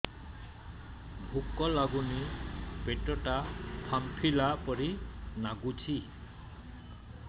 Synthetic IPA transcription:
bʱukɔlaɡunipeʈɔʈapʰampʰilapɔɾinaɡut͡ʃʰi

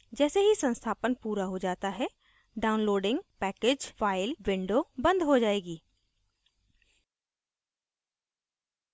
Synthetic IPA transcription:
d͡ʒɛːseɦisə̃nst̪ʰaːpənpuːɾaɦod͡ʒaːt̪aɦɛ | ɖaːʊnloːɖɪ̃ŋɡpɛːkeːd͡ʒfaːɪlʋɪ̃ɳɖoːbə̃nd̪ɦod͡ʒaːeːɡiː

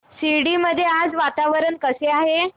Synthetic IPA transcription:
siɽiməd̪ʱːjead͡zʋat̪aʋəɾəɳkəseaɦe

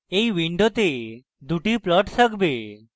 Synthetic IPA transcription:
eiʋiɳɖot̪e | d̪ʱuʈiplɔʈsəkbe

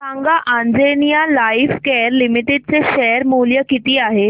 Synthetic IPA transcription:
sãŋɡaʔãnd͡zenijalaifkɛəɾlimiʈeɖ̚t͡seɕɛəɾmuljəkit̪iːaɦe

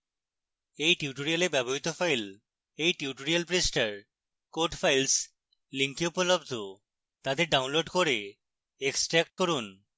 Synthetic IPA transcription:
ejʈiuʈoɾialebɛboɦit̪ofajl | ejʈiuʈoɾialpɾisʈaɾ | koɾʈfʰajls | liŋkiupolobd̪ʱo | t̪ad̪eɾɖawnloɖkoɾe | eksʈɾɛk̚ʈ̚koɾun

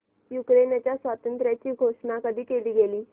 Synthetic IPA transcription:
jukɾenjat͡ɕjasʋat̪ənt̪ɾjat͡ɕiːɡʱoʂɳakəd̪ʱiːkeliːɡeliː

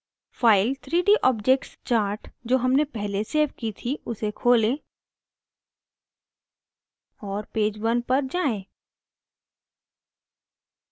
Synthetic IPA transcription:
faːɪlt̪ʰɾiːɖiʔɔːbd͡ʒeːk̚ʈst͡ʃaːɾʈd͡ʒoːɦɐmnepɛɦleseːʋkit̪ʰiʊsekʰoːlẽː | ɔːɾpeːd͡ʒwɐnpɐɾd͡ʒaːẽː

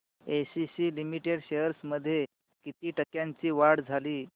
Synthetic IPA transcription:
esisiːlimiʈeɽɕejəɾsməd̪ʱːje | kit̪iːʈəkjaɲt͡ɕiːʋaɽd͡zʱaliː

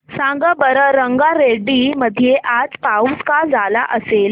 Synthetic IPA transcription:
sãŋɡəbəɾəɾəŋɡaɾeɖiməd̪ʱjeʔad͡zpauskad͡zala̰ʔəsel

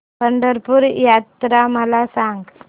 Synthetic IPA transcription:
pɐɳɖɐɾpuɾjaːt̪ɾaːmɐlaːsaːŋɡ

